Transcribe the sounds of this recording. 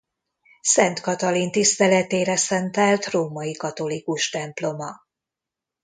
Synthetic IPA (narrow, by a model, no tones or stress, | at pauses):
sɛnt̪kɒt̪ɒlint̪ist̪ɛlɛt̪eːɾɛsɛnt̪ɛlt̪roːmɒjikɒt̪o̞likuʃt̪ɛmplo̞mɒ